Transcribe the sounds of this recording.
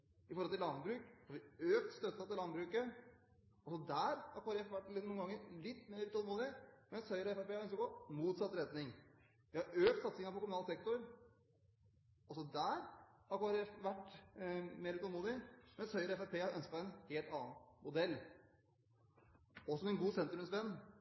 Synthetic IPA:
ʔɪfɔɾhɔlt̪ɪlɑnbɾʉːkhɑɾʋɪøːkt̪st̪œt̪ːɑt̪ːɪlɑnbɾʉːkə | ɔlsɔd̪æːɾhɑɾkʰoːɾɛfʋæʈ̪ːnuŋəɡɑŋːəɾlɪt̪ːmeːɾt̪ɔlmuːd̪ɪmɛnshœʏɾɔɛfæɾpeːɑɾœnskəɾɡoːmuːt̪sɑt̪ɾɛt̪nɪŋ | ʋɪhɑɾøːk̚t̪sɑt̪sɪŋɑpɔkʊmʉnɑlsɛk̚t̪ʊɾ | ɔsɔd̪æːɾhɑɾkoɾɛfʋæʈː | meːɾt̪ɔlmuːd̪ɪmɛnshœʏɾɔɛfæpʰeːhɑɾʔœnskə̥t̪ːæɪnheːlt̪ɑːnmʊd̪ɛlː | ɔsɔmɛnɡuːsɛnt̪ɾʉmsʋɛnː

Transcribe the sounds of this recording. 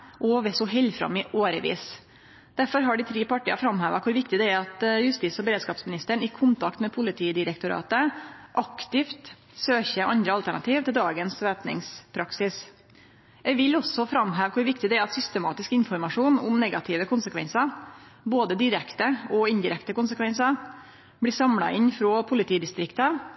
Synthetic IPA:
ʔɔʋeːsɔɦɛlfɾɑ̰mɪʔoːɾə̰ʋḭːs | d̪̥æɾfɔɾɦɑɖɪt̪ʰɾeːpɑʈiːɑfɾɑmhæːʋɑkʰʊɾʋɪkt̪ɪd̪ɛæɾɑt̪jʉst̪ɪsɔbəɾeːd̪skɑːpsmɪnɪst̪əɳɪkʰʊnt̪ʰɑkt̪mɛpʰʊlɪt̪ʰiːd̪ɪɾɛkt̪ʊɾɑ̰ːt̪əʔɑkt̪ɪft̪ | søːçəʔɑ̰nd̪ɾəɑlt̪æɳɑ̰t̪ʰiːʋt̪ɪld̪ɑːɡənsʋæːpnɪ̰ŋspʰɾɑksɪs | jɛʋɪlɔsɔfɾɑmɦæːʋkʰʊɾʋɪkt̪ɪd̪ɛæɾɑt̪sʏst̪əmɑ̰ːt̪ɪskɪnfɔɾmɑʂuːnʊmnɛɡɑt̪ʰɪʋəkʰʊnsəkʰʋɛ̰nsɑɾ | boːd̪əd̪ɪɾɛkt̪əɔɪnd̪ɪɾɛkt̪əkʊnsəkʰʋɛnsə | blɪːsɑmlɑ̰ʔɪnfɾoːpʰʊlɪt̪ʰiːd̪ɪst̪ɾɪkt̪ɑ

